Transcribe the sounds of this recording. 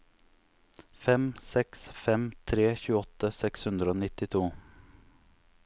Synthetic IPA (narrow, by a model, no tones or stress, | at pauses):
fɛmsɛksfɛmt̪ʰɾeːçʉːəɔt̪ːəsɛkshɵnd̪ɾəoːnɪt̪ːɪt̪ʰuː